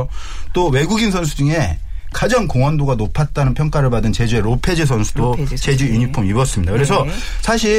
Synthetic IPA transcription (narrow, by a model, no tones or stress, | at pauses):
t͈owe̞ɡuɡinsʰʌns̬ʰud͡ʑuŋe̞ | kad͡ʑaŋkoŋwʌndoɡanopʰat̚t͈anɯnpʰjʌŋk͈aɾɯɭpadɯnt͡ɕe̞d͡ʑue̞ɾopʰe̞d͡ʑisʰʌnsʰu̥dot͡ɕe̞d͡ʑujuɲipʰumibʌs͈ɯmɲidakɯɾe̞s̬ʰʌ | sʰaɕʰi